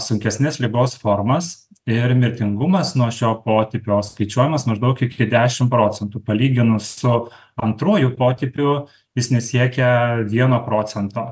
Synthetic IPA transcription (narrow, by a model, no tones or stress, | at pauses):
sʊŋʲkʲɛsʲnʲɪslʲɪɡoːsfoːrmɐs | ɪɾmʲɪɾʲt̪ʲɪŋɡʊmɐsnuɔʃʲoːpoːt̪ʲɪpʲoːskɐɪt͡ʃʲuɔjɪmɐsmɐʒd̪ɐʊkɪkʲɪd̪ʲæːʃʲɪmpɾoːt͡s̪ʲɛnt̪uːpɐlʲiːɡʲɪnʊssʊ | ɐnt̪ɾuɔjupoːt̪ʲɪpʲʊ | jɪsnʲɛsʲiɛkʲɛʋʲiɛnoːpɾoːt͡s̪ʲɛnt̪oː